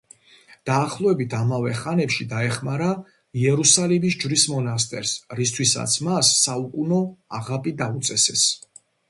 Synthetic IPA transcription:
d̪̥aːχlˠɔɛbit̪ʰamavɛχanɛpʃid̪aɛχmaɾa | iɛɾusalimis̬d͡ʒvɾismɔnast̪ʼɛ̰ɾsɾist̪ʰwisa̰t̪sʰmasːaukʼunɔaʁapʼid̪aut̪sʼɛsɛs

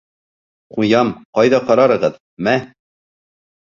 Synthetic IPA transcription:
qujɑmqɒjðɑqɒɾɑɾɤ̆ʁɤð | mæ

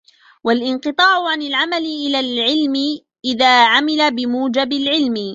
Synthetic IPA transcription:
walʔɪnqɨt̪ˤɑːʕʊʕanɪlʕamalɪʔɪlaːlʕɪlmɪ | ʔɪðaːʕamɪlabɪmuːd͡ʒabɪlʕɪlmɪ

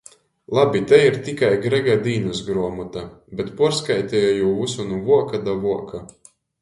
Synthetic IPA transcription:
lˠabʲit̪ɛiɾt̪ikajɡɾɛɡad̪iːnɐsɡɾuɔmɔt̪abʲɛt̪puɔɾskajt̪ʲɛjɔjuːusunuvuɔkad̪avuɔka

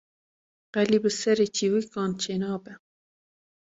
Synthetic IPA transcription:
qælibəsɛɾet͡ʃiwikɑːnt͡ʃʰenɑːbɛ

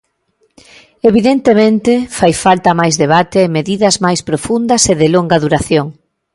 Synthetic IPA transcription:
eβiðent̪emẽnt̪ɪfajfalt̪ɐmajzðeβ̞at̪eːmeðiðɐzmajspɾofund̪ɐseðɪloŋɡɐðuɾaθjoŋ

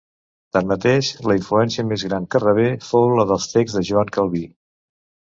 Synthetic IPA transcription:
t̪anmət̪eʃləiɱfluɛnsiəmezɣɾankərəβ̞efowləðəlˠst̪eɡzðəʒuaŋkəlˠβi

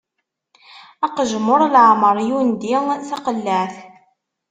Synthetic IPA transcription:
ɑqəʒəmːʊɾˤlʕaməɾˤjund̪iθɑqəlːæθ

